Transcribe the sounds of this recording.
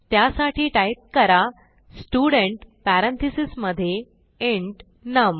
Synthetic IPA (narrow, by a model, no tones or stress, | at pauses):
t̪jasaʈʰiːʈajp̚kəɾa | sʈuɽəɳʈpæɾə̃nt̪ʰisisməd̪ʱːje | eɳʈ | nəm